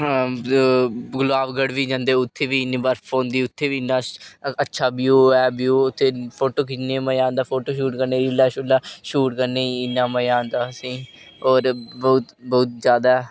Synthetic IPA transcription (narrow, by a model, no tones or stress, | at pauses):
ɡʊlaːʋɡəɽʋiːd͡ʒãːnd̪eːʊt̪ʰːeːʋiːɪnibaɾpʰoːnd̪iːʊt̪ʰːeːʋiːɪnːaːətːʃʰaːbjuːɛːbjuːʊt̪ʰːeːpʰoːʈoːkɪneːməjãːnd̪aːpʰoːʈoːʃuːʈkəɾneːɾilaːʃolaːʃuːʈkəɾneːɪnːãːməjãːnd̪aːsĩː | oːɾboːt̪boːt̪̚d͡ʒjaːd̪aːɛː